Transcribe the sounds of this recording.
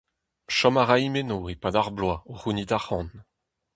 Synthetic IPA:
ʃɔmaʁajimenoepad̪aʁblwaoʁunid̪aχɑ̃n

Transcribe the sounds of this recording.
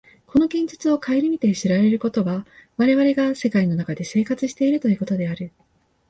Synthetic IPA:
kʰo̞no̞ɡẽ̞ɲ̟d͡ʑɨ̥t͡sɨo̞kʰaeiɾʲimʲit̪e̞ɕiɾaɾe̞ɾɯ̟ko̞t̪o̞βaβaɾe̞βaɾe̞ɡase̞kaino̞nakad̪e̞se̞ːkat͡sɨɕi̥t̪e̞iɾɯ̟t̪o̞jɯ̟ːko̞t̪o̞d̪e̞aɾɯ̟

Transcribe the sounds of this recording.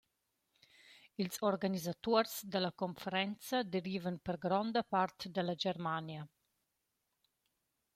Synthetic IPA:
ilzoɾɡanizat̪oɾsd̪əlakonfeɾɛnt͡sad̪eɾiːvənpəɾɡɾɔnd̪əpaɾt̪d̪əlad͡ʒɛɾmanja

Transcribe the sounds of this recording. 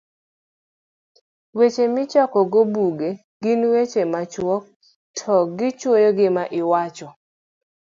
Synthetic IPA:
wet͡ʃemɪt͡ʃɔkɔɡobuɡe | ɡinwet͡ʃemat͡ʃwɔk̚ | tʰɔɡɪt͡ʃwojoɡɪmaʔɪwat͡ʃɔ

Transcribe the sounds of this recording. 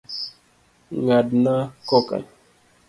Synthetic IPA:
ŋadnakɔka̰n

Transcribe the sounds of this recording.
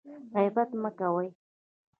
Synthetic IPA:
ɣajbat̪makawaj

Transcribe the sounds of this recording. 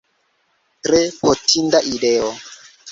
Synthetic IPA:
tɾepotʰindaʔideo

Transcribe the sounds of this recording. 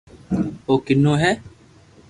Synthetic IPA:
oːkɪnːõːɦɛː

